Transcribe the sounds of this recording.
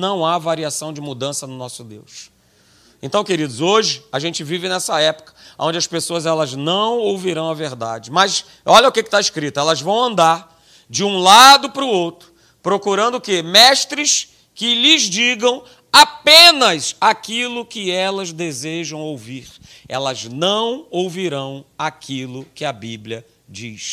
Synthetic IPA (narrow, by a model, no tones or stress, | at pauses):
nɐ̃w̃avaɾiasɐ̃w̃d͡ʒɪmud̪ɐ̃sɐnʊnɔsʊd̪ḛws | ẽnt̪ɐ̃w̃keɾid̪ʊzoʒɪaʒẽnt͡ʃɪvivɪnɛsɐɛpʊ̥kɐ̥õd͡ʒɪɐspesoɐzɛlɐznɐ̃w̃owviɾɐ̃w̃ɐveɾd̪a̰d͡ʒɪmɐs | ɔʎɐʊkɪkɪ̥t̪aiskɾit̪ʊɛlɐzvɐ̃w̃ɐ̃nd̪aɾ | d͡ʒɪũlad̪ʊpɾʊowt̪ɾʊ̥ | pɾokuɾɐ̃nd̪ʊkɪmɛʃt̪ɾɪs | kɪlɪzd͡ʒiɡɐ̃w̃ | apẽnɐsakilʊkɪɛlɐzd̪ezeʒɐ̃w̃owviɾ | ɛ̰lɐznɐ̃w̃owviɾɐ̃w̃akʰilʊkɪɐbiblʲiɐ | d͡ʒḭs